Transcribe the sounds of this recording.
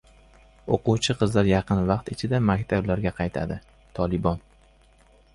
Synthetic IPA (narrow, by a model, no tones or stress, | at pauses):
oquwt͡ʃʰɪqʰɨzlaɾjɑqʰɨnvɑqt̪ɪt͡ʃʰɪd̪amakʲt̪ʰablaɾɡʲaqʰɑjt̪ʰa̰d̪ɪ | t̪ʰɒlˠɪbɒn